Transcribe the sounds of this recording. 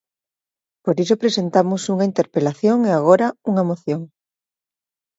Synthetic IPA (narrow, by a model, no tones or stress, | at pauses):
poɾisopɾesent̪amosuŋaint̪eɾpelaθjoŋeaɣ̞oɾauŋamoθjoŋ